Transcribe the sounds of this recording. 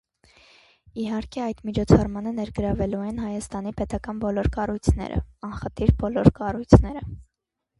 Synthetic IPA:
iɦɑɾkʰɛɑjd̪mit͡ʃʰɔt͡sʰɑrmɑnənɛɾɡəɾɑvɛluɛnɦɑjɑst̪ɑnipɛt̪ɑkɑnbɔlɔɾkɑrujt͡sʰnɛ̰ɾə̰ɑnχət̪ʰiɾbɔlɔɾkɑrujt͡sʰn̪ɛɾə

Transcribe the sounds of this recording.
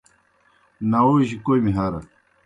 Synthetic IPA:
nauʑikojmiɦaɾɐ̰

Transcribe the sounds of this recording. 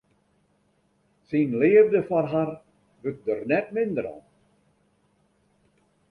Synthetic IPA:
sinlɪːəvdəfɔrɦar | ʋøk̚dərnɛt̚mɪndəɾɔ̰n

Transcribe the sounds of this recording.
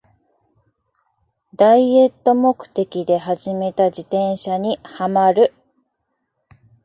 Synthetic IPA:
d̪aie̞t̪ːo̞mo̞kɯ̟̥t̪e̞kʲid̪e̞ɦaʑime̞t̪ad͡ʑit̪ẽ̞ɰ̃ɕaɲ̟ihamaɾɯ̟

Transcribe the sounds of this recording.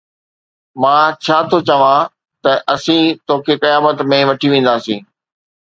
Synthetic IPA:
mãːt͡ɕʰaːt̪ʰot͡ɕɐʋã | t̪ɐʔɐsĩt̪oːkʰekɐjaːbət̪mẽʋɐʈʰiʋẽːn̆d̪aːsĩː

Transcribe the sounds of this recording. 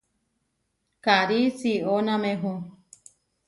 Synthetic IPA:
kaɾisionãmẽɦũ

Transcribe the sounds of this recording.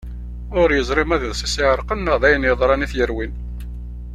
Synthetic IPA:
ʊɾjəzˤɾˤɪmæðəðsisɪʕəɾˤqənːəʁðæjənjəðˤɾˤɑniθjəɾwin

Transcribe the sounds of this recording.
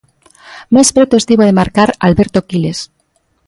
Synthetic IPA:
maespɾet̪oest̪iβoðemaɾkaɾa̰lβeɾt̪okiles

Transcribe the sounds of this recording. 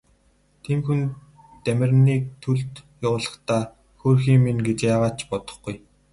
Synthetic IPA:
t̪ʰiːmxun | t̪æmʲɪ̆rniːk̚t̪ʰɵɮt̪jaʊːɮə̥̆χt̪ʰaː | xoːrxiːŋminɡet͡ɕjaːʁaːt͡ɕpɔt̪ɞ̆χɡuj

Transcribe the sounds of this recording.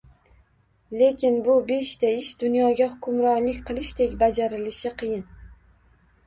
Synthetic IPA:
le̞kʲʰɪnbʊbe̞ʃt̪ʰaɪʃd̪ʊnjɒɡʲahʊkʲʰʊmɾɒnlɪkʲqʰɨlˠɪʃt̪ʰe̞kʲbad͡ʒaɾɪlɪʃɪqʰɨjɪn

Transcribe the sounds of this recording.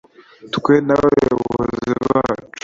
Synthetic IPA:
t̪kwenaeβozeβat͡ʃo̥

